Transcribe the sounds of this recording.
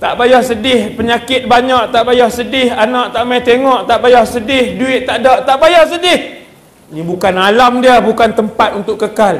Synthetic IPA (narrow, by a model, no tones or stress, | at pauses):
t̪a̰ʔbajahsədɪhpəɲakɪt̪̚baɲaʔt̪aʔbajahsədɪhanaʔt̪aʔmajt̪eŋɔʔt̪aʔbajahsədɪhduɪt̪̚t̪aʔdaʔt̪aʔbajahsədɪh | nĩbukanalamdiəbukant̪əmpat̪̚unt̪ʊʔkːəkal